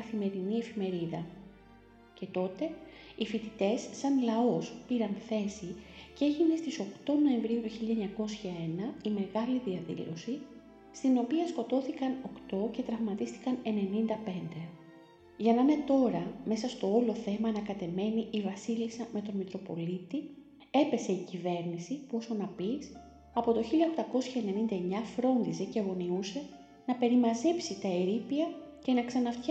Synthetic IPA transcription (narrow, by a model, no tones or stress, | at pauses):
ɐθime̞ɾinie̞fime̞ɾiðɐ | ce̞t̪o̞t̪e̞ifit̪it̪e̞sːɐnlɐo̞spiɾɐnθe̞sice̞ʝine̞st̪iso̞kt̪o̞no̞e̞ɱvɾiut̪uçiʎɐeɲɐko̞sçɐe̞nɐime̞ɣɐliðiɐðḭlo̞̰si | st̪ino̞piɐsko̞t̪o̞θikɐno̞kt̪o̞ce̞t̪ɾɐvmɐt̪ist̪i̥kɐne̞ne̞nind̪ɐpe̞nd̪e̞ | ʝɐnɐne̞t̪o̞ɾɐme̞sɐst̪o̞o̞lo̞θe̞mɐːnɐkɐt̪e̞me̞niʔːvɐsilisɐme̞t̪o̞nmit̪ɾo̞po̞lit̪i | e̞pe̞se̞icive̞ɾnisipuo̞so̞nɐpis | ɐpo̞t̪o̞çiʎɐoxt̪ɐko̞sçɐene̞nind̪ɐe̞ɲɐfɾo̞nd̪ize̞ceɐɣo̞niuse̞ | nɐpe̞ɾimɐze̞psit̪ɐeɾipiɐ | ce̞nɐksɐnɐft̪ç